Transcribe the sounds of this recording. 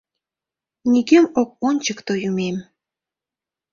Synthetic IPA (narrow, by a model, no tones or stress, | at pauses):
nʲiɡemok̚onʲt͡ɕəkt̪ojumem